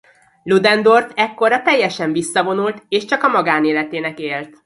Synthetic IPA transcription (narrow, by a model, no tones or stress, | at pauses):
lud̪ɛnd̪o̞rt̪ɛkːo̞rɒt̪ɛjːɛʃɛɱvisːɒvo̞nult̪eːʃt͡ʃɒkɒmɒɡaːneːlɛt̪eːnɛkeːlt̪